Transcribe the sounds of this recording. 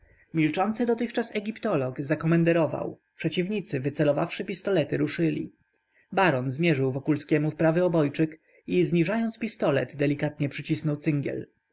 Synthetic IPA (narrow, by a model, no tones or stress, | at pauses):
mʲilt͡ʂɔnt̪sɘd̪ɔt̪ɘxt͡ʂasɛɡʲipt̪ɔlɔɡzakɔmɛnd̪ɛɾɔva̰w | pʂɛt͡ɕivɲit̪sɘvɘt̪sɛlɔvafʂɘpʲist̪ɔlɛt̪ɘɾuʂɘlʲḭ | baɾɔnzmʲjɛʐɘwvɔkulskʲɛmufpɾavɘɔbɔjt͡ʂɘk | izɲiʐajɔnt̪spʲist̪ɔlɛ̰d̪d̪ɛlʲikat̪ɲɛpʂɘt͡ɕisnɔwt̪ɘŋɡʲjɛ̰l